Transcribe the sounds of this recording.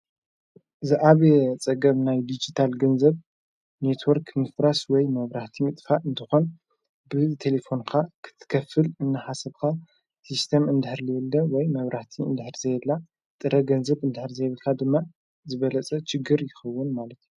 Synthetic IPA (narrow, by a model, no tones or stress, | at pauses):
zɨʔaβet͡sʼɐɡɐβnajd̪id͡ʒit̪ʰalɡɐnzɐβ | net̪ʰwoɾknɨfɾaswɔjmɐβɾaht̪ʰimɨt̪ʼfaʔɨnt̪ʰɨxo̞n | bɨt̪ʰe̞lefo̞nkʰakʰɨ̥t̪ʰːɨ̥kʰɐfːɨlɨnːɨħasɐβkʰa | sist̪ʰemɨnd̪ɨħɾlɨjɛlːɐwɔjmɐβɾaħt̪ʰiɨ̰nd̪ɨħɾzɐjɛlːa | t̪ʼɨɾɐɡɐnzɐβɨnd̪ɨħɨɾzɐjβɨlkʰad̪ɨmːa | zɨβɐlɐt͡sʼɐt͡ʃɪɡɨɾjɪxɐwːʊnmalɐt̪ʰju